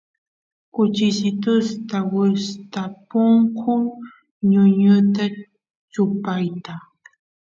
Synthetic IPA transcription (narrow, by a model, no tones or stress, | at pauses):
kʊt͡ʃɪsɪt̪ʊst̪awɪst̪apʊŋkʰʊ | ɲʊɲʊt̪a | t͡ʃʊpajt̪a